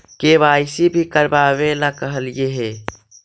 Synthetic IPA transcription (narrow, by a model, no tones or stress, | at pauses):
kebajsibʱikəɾbaβelakəɦəljeɦe